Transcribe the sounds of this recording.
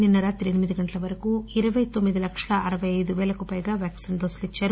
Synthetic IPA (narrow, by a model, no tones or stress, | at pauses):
ninːɐɾaːt̪iɾenimid̪iɡɐɳʈlɐʋɐɾɐkuiɾɐʋɐjt̪omːid̪ilɐkʂɐlaʔɐɾɐʋɐjɐjd̪uʋɛːlɐkupɐjɡaːʋjaːksinɖoːslit͡ʃːaːɾu